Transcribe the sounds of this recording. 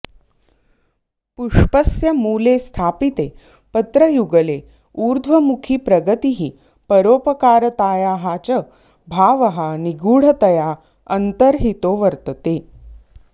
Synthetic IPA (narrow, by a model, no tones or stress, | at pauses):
puʂpəsjəmuːlest̪ʰapit̪e | pət̪ɾəjuɡəle | uːɾd̪ʱʋəmukʰiːpɾəɡət̪iɦiː | pəɾoːpəkaːɾət̪aːjaɦat͡ɕə | bʱaːʋəɦaniɡuːɽ̤ət̪əja | ənt̪əɾɦit̪oːʋəɾt̪ət̪e